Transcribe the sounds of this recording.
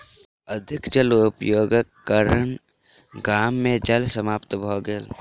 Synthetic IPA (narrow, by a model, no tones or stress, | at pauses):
əd̪ʱɪkd͡ʒəlʊpjoːɡəkːəɾəɳ | ɡaːmːẽd͡ʒəlsəmaːpt̪bʱoːɡɪl